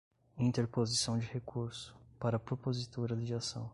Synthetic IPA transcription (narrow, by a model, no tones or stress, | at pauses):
ĩnt̪eɾpozisɐ̃w̃d͡ʒɪhekʰuɾsʊ̥paɾɐpɾopozit̪oɾɐd̪d͡ʒasɐ̰̃w̃